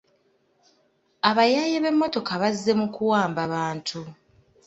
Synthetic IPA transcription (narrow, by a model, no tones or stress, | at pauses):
aβajaːjeβe̞mːo̞to̞kaβazːe̞mukuwaːmbaβaːntʰu